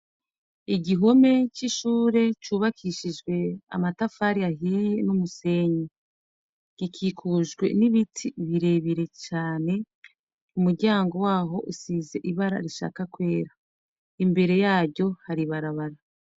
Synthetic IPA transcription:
iɟiɦo̞me̞t͡ʃiʃuːɾe̞t͡ʃuːβakʰiʃid͡ʒɡwe̞a̰matafaɾiaɦijenumuse̞ɲi | ɡ̥ikʰikʰuʒɡwe̞̰niβitʰiβiɾe̞βiɾe̞t͡ʃaːne̞ | umuɾɟaːŋɡo̞waːɦo̞ʔusiːze̞ʔiβaɾa̰ɾiʃa̰ːkakwe̞ːɾa | imbe̞ɾe̞jaːɾɟo̞haɾiβaɾaβaɾa

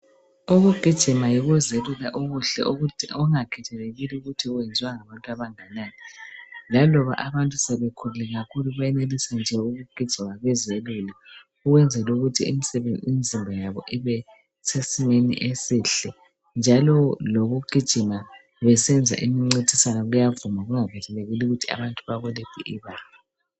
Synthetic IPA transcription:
uɣuɡ̥ʱid̥ʒ̥ʱimajiɣuzelulaʔoɣuɬɛ̰ɔŋakʰɛtʰɛleɣiliuɣutʰiwɛnd͡zʱiwaŋaβantʼuaβaŋanaːnɛlalɔβa̰ʔaβantʼusɛβekʰululɛɣakʰuluβajɛnelisand͡ʒʱɛuɣuɡ̥ʱid̥ʒ̥ʱimaɣwɛzelula | uɣwɛnd͡zʱɛluɣutʰiḭmisimizʱimbʱajaβɔ̰ʔiβɛ | sesimenḭʔesiːɬɛ | nd͡ʒʱalɔloɣuɡ̥ʱid̥ʒ̥ʱima | βɛsɛnd͡zʱa̰ʔimiŋ͡ǀidʱisanɔɣujavumaɣuŋavʱɛɬɛleɣiluɣutʰia̰βantʼuβaɣulepʰḭʔiβaːla

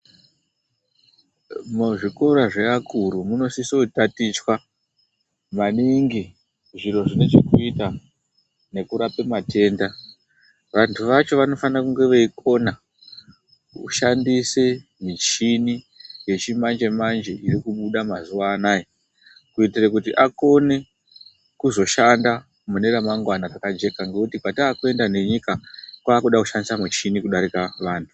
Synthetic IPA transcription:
muʐiko̞ɾaʐe̞akʰuɾumuno̞sisotatit͡ʃwa | maniŋɡi | ʐiro̞ʐine̞ʐekuita | ne̞kuɾape̞mate̞ːnda | ʋantʰuʋat͡ʃo̞ʋano̞fanakuŋɡe̞ʋeiko̞na | ṵʃandise̞ | mit͡ʃini | je̞t͡ʃimand͡ʒe̞mand͡ʒe̞iɾikuɓuɗamazuwaːnaːji | kuitirakutiʔako̞ne̞ | kuzo̞ʃanda | mune̞ɾamaŋɡwanarakad͡ʒe̞kaŋɡeutipataːkue̞ndane̞ɲikakwaːkuɗakuʃandisamit͡ʃinikuɗaɾikaʋaːntʰu̥

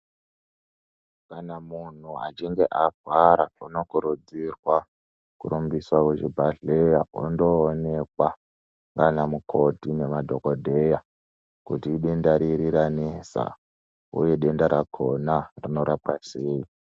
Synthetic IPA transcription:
kanamun̤ua̰t͡ʃiŋɡe̞ʔaɡʱwaɾauno̞kuɾud͡zirwa | kṵɾumbiswakeʐibʱaɮejao̰ndo̞ːne̞kwa | ŋɡanamukʰo̞dʱine̞madʱo̞kodʱe̞ja | kutiːɗendaɾiɾiɾanesa̰ | ṵje̞ɗe̞ndaɾakʰonarino̞ɾapaseːi

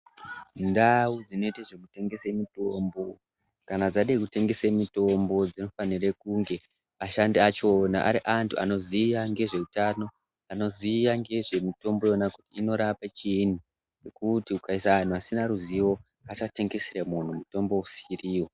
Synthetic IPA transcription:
ndawud͡zino̞itaʐekute̞ŋɡe̞semito̞mbo̞ | kanad͡zaɗekute̞ŋɡe̞semito̞mbo̞d͡zino̞fanirekuŋɡe̞ | aʃandiat͡ʃo̞na̰ʔa̰ɾiʔantʰua̰no̞ziʋaŋɡe̞ʐe̞utano̞ | ano̞ziʋaŋɡe̞ʐe̞mito̞mbo̞jo̞nakutiːno̞ɾapat͡ʃin̤u | nekutiukaisaːn̤uasinaɾuziwo̞ | at͡ʃate̞ŋɡe̞siremun̤umuto̞mbo̞usiriːwo̞

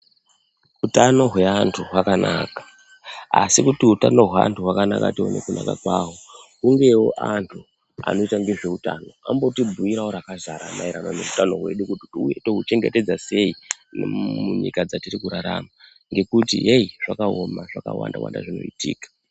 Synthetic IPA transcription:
utano̞ɦwe̞antʰuɦwakanʔaːkḁ | asikutiɦutano̞ɦwea̰ntuɦwakanaka̰tionekuna̰kakwaːwo | uŋɡe̞wo̞̰ʔantʰu | a̰no̞itaŋɡe̞ʐe̞uta̰no̞ambo̞tibʱuiɾaoɾakazaɾamaiɾanone̞utano̞ɦwe̞̰ɗukutiuje̞to̞ɦut͡ʃe̞ŋɡe̞te̞d͡zase̞inmuɲḭkad͡zatirikuɾaɾama | ŋɡe̞kutieiʐakaomaʐaka̰wa̰nda̰wa̰nda̰ʐino̞̰itiːkḁ

